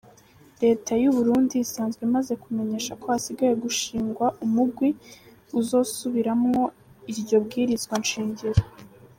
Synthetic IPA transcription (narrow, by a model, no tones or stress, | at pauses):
ɾe̞ːtajuβuɾuːndiisaːnzɡwemaze̞kume̞ɲe̞ːʃako̞asiɡaje̞ɡuʃiːŋɡwaʔumuɡwi | uzo̞ːsuβiɾamŋo̞ | iɾɟo̞b̚ɡiːɾizɡwanʃiːɲɟiɾo